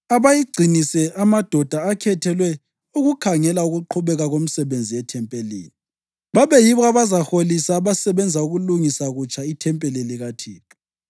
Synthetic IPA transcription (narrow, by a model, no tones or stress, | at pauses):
aβajiɡ͡ǀʱinisɛʔamad̥ʱɔd̥ʱaːkʰɛtʰɛlwɛ | uɣukʰaŋɛlauɣuǃʰuβɛɣaɣom̩sɛβend͡zʱijɛtʰɛmpʼelḭːni | βaβɛjiβɔaβazaxolisaβasɛβɛnd͡zʱauɣuluŋisaɣut͡ʃʼʰaitʰɛmpʼeliliɣatʰiːǁu̥